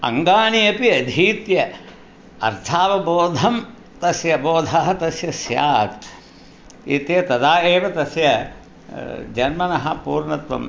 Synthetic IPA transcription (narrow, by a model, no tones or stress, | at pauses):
ɐ̰ŋɡaːɳiɐpiɐd̪ʱiːt̪jɐ | ɐ̰ɾt̪ʰaːʋɐboːd̪ʱɐm | t̪ɐsjɐboːd̪ʱaːɦɐt̪ɐsjɐsja̰ːk | ḭt̪jɐt̪ɐd̪aːeːʋɐt̪ɐsjɐ | d͡ʒɐnmɐnɐɦɐpuːɾɳɐt̪ʋɐ̰m